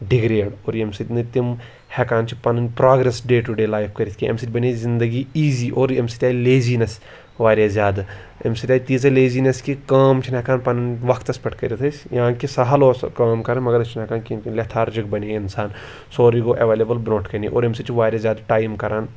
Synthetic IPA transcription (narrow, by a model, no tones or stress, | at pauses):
ɖiɡɾeːɽoːɾemsit̪ʲnɨt̪im | hɛkaːnt͡ʃʰipɐnɨnpɾaːɡɾesɖeːʈuɖeːlaːjfkɐɾʲit̪ʰʲkiḛmsit̪ʲbɐneːzɪnd̪ɐɡiːiːziːʔoːɾemsi̥t̪ʲaːileːziːnɐs | ʋaːɾjazjaːd̪ | ḛmsit̪ʲaːit̪iːzɐleːziːnɐskikaːmt͡ʃʰinɦɛkaːnpɐnɨnʋɐkʰt̪ɐspɐʈʰkɐɾit̪ʰɐsʲjãːkisɐɦɐloːskaːmkɐɾɐnmɐɡɐɾɐst͡ʃʰinɦɛkaːnkimkɐnlʲɐt̪ʰaːɾd͡ʒik̚bɐneːɪnsaːn | soːɾiɡoːʔɐʋeːlebəlbɾoːʈkɐnḭːʔo̰ːɾemsit͡ʃʰiʋaːɾʲjazjaːd̪ʈaːjmkɐɾaːn